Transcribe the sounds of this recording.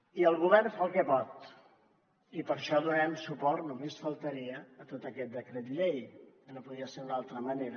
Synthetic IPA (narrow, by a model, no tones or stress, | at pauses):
iəlˠɣuβ̞ɛrnfalˠkɛpɔt̪ | ipəɾʃɔðunɛmsupɔrt̪numesfəlˠt̪əɾiəːt̪ot̪əkɛt̪̚d̪əkɾɛt̪ʎejkənopuðiəseɾunalˠt̪ɾəməneɾə